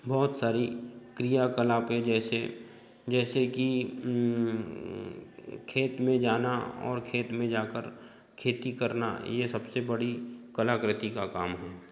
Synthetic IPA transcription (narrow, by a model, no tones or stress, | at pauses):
bɔːt̪saːɾikɾijakəlaːpɦɛ̃d͡ʒɛːse | d͡ʒɛːseki | kʰeːt̪mẽd͡ʒaːnaɔ̰ːɾkʰeːt̪mẽd͡ʒaːkəɾ | kʰeːt̪ikɐɾna̰jesɐbsebɐɽikɐlaːkɾɪt̪ikakaːmɦɛː